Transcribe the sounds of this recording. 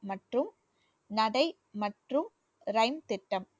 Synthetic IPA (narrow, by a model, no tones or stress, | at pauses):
mɐʈrɯm | nɐɽɐɪ | mɐʈrɯm | ɾɐɪmt̪ɪʈːɐm